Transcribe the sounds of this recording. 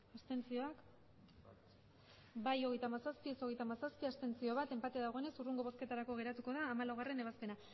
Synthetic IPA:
ast̪e̞nt͡sio̞ak | bajo̞ɣ̞e̞jt̪amasaspieso̞ɣe̞jt̪amasaspiast̪e̞nt͡sio̞β̞at̪e̞mpat̪eðaɣ̞o̞ene̞suruŋɡo̞βo̞ske̞t̪aɾako̞ɣe̞ɾat̪uko̞ðaːmalawɣ̞are̞ne̞β̞aspe̞na

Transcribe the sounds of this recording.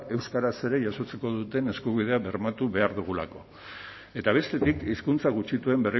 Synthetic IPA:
e̞wskaɾase̞ɾe̞ʝaso̞t͡seko̞ð̞ut̪e̞ne̞skuβið̞e̞aβe̞ɾmat̪uβe̞aɾðuɣ̞ula̰ko̞ | e̞t̪aβ̞e̞st̪e̞t̪ikiskunt͡saɣ̞ut͡ʃit̪ue̞mbe̞ri

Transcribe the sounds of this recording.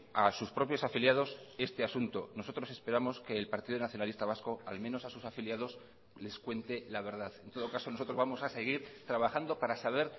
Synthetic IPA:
asuspɾo̞pjo̞safiljað̞o̞se̞st̪easunt̪o̞no̞so̞t̪ɾo̞se̞spe̞ɾamo̞ske̞ːlpaɾt̪iðonaθjo̞nalist̪aβ̞asko̞a̰lmẽno̞sasusafiljað̞o̞s | le̞skwe̞nt̪e̞laβ̞e̞ɾð̞aðent̪o̞ð̞o̞kaso̞no̞s̬ot̪ɾo̞zβamo̞sase̞ɣ̞iɾt̪ɾaβaxand̪o̞paɾasaβ̞e̞ɾ

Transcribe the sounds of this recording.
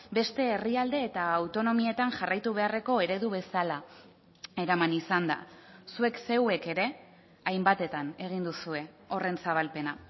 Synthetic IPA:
be̞st̪e̞ːriald̪e̞ːt̪aːwt̪o̞no̞mie̞t̪aŋʝarajt̪uβ̞e̞are̞ko̞e̞ɾe̞ðuβ̞e̞sala | e̞ɾamanisand̪a̰sue̞kse̞we̞ke̞ɾe̞ | ajmbat̪e̞t̪ane̞ɣ̞ind̪usue̞ | o̞re̞nsaβalpe̞na

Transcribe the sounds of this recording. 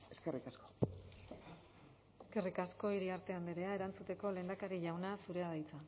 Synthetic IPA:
eskerʔikasko | eske̞rikasko̞iɾiaɾt̪e̞and̪eɾe̞ae̞ɾant͡sut̪e̞ko̞le̞ːnd̪akaɾiʎawnasuɾe̞að̞ajt͡sa

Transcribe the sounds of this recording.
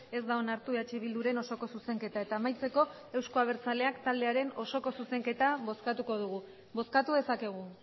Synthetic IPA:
e̞zd̪aonaɾt̪ueat͡ʃeβ̞ild̪uɾe̞no̞so̞kosuse̞ŋke̞t̪ae̞t̪aːmajt͡se̞ko̞ | e̞wsko̞aβ̞e̞ɾt͡sale̞akt̪ald̪e̞aɾe̞no̞so̞ko̞suse̞ŋke̞t̪aβo̞skat̪uko̞ð̞uɣu | bo̞skat̪uðe̞sake̞ɣ̞u

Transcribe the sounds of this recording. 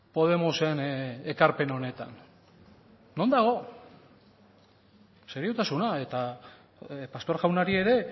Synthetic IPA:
po̞ð̞e̞mosene̞kaɾpe̞no̞ne̞t̪a̰n | o̞nd̪aɣ̞o̞ | seɾiut̪asunae̞t̪a | past̪o̞ɾɣawnaɾie̞ɾe̞

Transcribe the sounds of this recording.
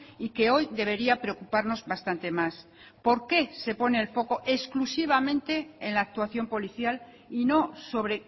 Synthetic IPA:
ike̞o̞jðe̞β̞e̞ɾiapɾeokupaɾno̞zβast̪ant̪e̞mas | po̞ɾke̞se̞po̞neːlfo̞ko̞ʔe̞sklusiβ̞amẽ̞nt̪e̞ːnlaːk̚t̪waθjo̞mpo̞liθjal | ino̞so̞β̞ɾe̞

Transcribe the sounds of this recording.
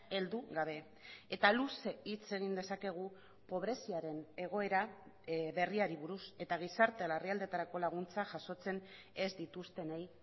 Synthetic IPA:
e̞ld̪uɣaβe̞ | et̪aluseit͡se̞ɣ̞ind̪e̞sake̞ɣ̞u | po̞β̞ɾe̞siaɾe̞ne̞ɣ̞o̞e̞ɾa | βe̞riaɾiβuɾuse̞t̪aɣ̞isaɾt̪ealariald̪e̞t̪aɾako̞laɣ̞unt͡saʝaso̞t͡se̞n | e̞zd̪it̪ust̪e̞nej

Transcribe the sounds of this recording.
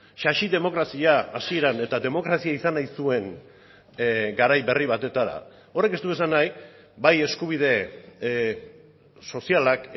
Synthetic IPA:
ʃaʃiðe̞mo̞kɾasiaːsie̞ɾane̞t̪aðe̞mo̞kɾasiaisanajsue̞n | ɡaɾajβe̞riβat̪e̞t̪aɾa̰ | o̞re̞kest̪ue̞sanaj | baje̞skuβ̞ið̞e̞ | so̞sialak

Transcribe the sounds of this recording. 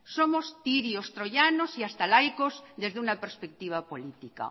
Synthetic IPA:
so̞most̪iɾiost̪ɾo̞ʝanosiast̪alajkozðe̞zðeunapeɾspek̚t̪iβ̞apolit̪ika̰

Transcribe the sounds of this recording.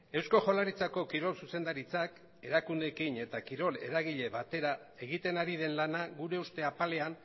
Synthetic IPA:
e̞wsko̞ʝo̞laɾit͡sako̞kiɾo̞lsuse̞nd̪aɾit͡sak | e̞ɾakund̪e̞kine̞t̪akiɾo̞le̞̰ɾaɣiʎe̞βat̪e̞ɾa | e̞ɣit̪e̞naɾið̞e̞nlanaɣuɾe̞ust̪e̞apale̞an

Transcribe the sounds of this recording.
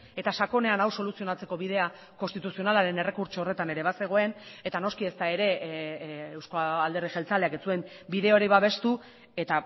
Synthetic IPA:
e̞t̪aʃako̞ne̞anawso̞lusio̞nat͡se̞ko̞βið̞e̞a | ko̞nst̪it̪usio̞nalaɾe̞nere̞kuɾt͡ʃoore̞t̪ane̞ɾe̞βase̞ɣo̞e̞ne̞t̪ano̞skie̞st̪ae̞ɾe̞ | ewskoald̪e̞riʝe̞lt͡sale̞aket͡sue̞m | biðe̞oɾiβaβ̞e̞st̪u | e̞t̪a

